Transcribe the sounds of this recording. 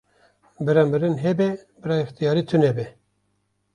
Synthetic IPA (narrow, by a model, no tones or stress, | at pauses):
bɨɾɑmɨɾɨnɦɛbɛbɨɾɑɨxt̪ijɑːɾiːt̪ʰɨnɛbɛ